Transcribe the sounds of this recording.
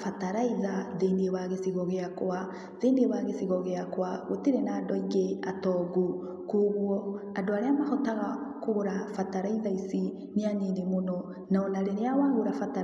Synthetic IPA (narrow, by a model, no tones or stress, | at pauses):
fataɾaiðaðenewaɣesiɣɔɣeakwa | ðendewaɣesiɣɔɣeakwaɣotiɾenaːndɔiɡeatɔɡu | koɣwɔandoaɾeamahɔtaɣakoɣoɾafataɾaiðaisi | neaɲenimonɔ | naonaɾeneawaɣoɾafata